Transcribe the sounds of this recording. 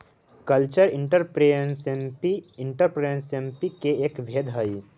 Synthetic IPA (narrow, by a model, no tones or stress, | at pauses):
kəlt͡ʃəɾɪ̃ɳʈəɾpɾensiɪɳʈəɾpɾeə̃nsempikeeːkʋʱeːd̪ʱɦəi